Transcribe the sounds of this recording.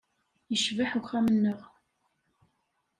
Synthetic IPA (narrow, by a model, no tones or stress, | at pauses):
jəʃvaħuxæmənːəʁ